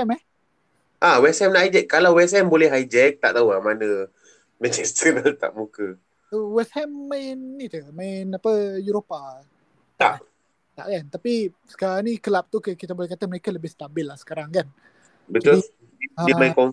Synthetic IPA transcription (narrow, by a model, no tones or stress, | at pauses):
ɛmɛh | ʔawɛsɛmnaajd͡ʒɛkːalawwɛshɛmbolɛhɦajd͡ʒɛk̚t̪aʔt̪auamanə̃ | mɛ̃nt͡ʃɛst̪ənəlt̪a̰ʔmukə | əwɛshɛmːaɪnːit̪umãɪnapəjuɾopa | t̪aʔ | t̪aʔkant̪api | sə̥kaɾaŋnikəlap̚t̪ukəkit̪abolɛhkat̪aməɾekaləbɪhst̪abɪlːahsə̥kaɾaŋkan | bət̪ɔis | aimaĩkɔn